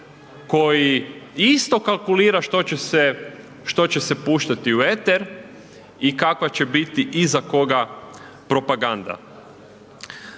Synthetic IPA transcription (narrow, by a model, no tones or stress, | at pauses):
ko̞jiist̪o̞kalˠkuliːɾaʃt̪ot͡ɕese | ʃt̪o̞t͡ɕesepuːʃt̪at̪iue̞t̪eɾ | ikakʋat͡ɕebit̪iʔizako̞ɡa | pɾo̞paɡand̪a̰